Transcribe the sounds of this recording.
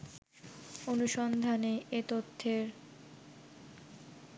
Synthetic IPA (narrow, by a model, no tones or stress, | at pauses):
onuʃɔnd̪ʱaneʔet̪ot̪ʰːeɾ